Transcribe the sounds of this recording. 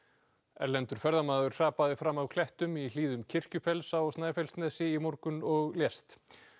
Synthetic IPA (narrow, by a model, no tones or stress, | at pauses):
ɛ̰ɾlɛnt̪ʏɾ̥fɛɾðamaːðʏɾ̥r̥aːpaðɪfɾamːavkʰlɛht̪ʏmil̥iːðʏmcʰɪr̥cʏfɛlsaɔstnaːjfɛlsnɛːsɪimoɾkʏnɔɣljɛst̪